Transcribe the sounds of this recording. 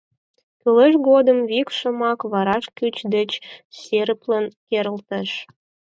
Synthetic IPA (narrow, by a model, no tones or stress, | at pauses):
kyləʃɡod̪əmβikʃə̆mɑkβɑɾɑʃkyt͡ɕd̪ət͡ɕseɾəplənkeɾəlt̪ə̆ʃ